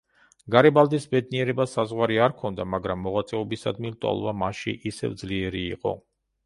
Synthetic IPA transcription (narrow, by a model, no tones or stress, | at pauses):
ɡaɾɛbalˠd̪isbɛd̪̚niɛɾɛbasazʁwaɾiaɾkʰɔnd̪amaɡɾamːɔʁat̪sʼɛɔbisad̪milt̪ʼɔ̰lˠvamaʃḭʔisɛ̰vd̪zliɛɾḭːqʼɔ̰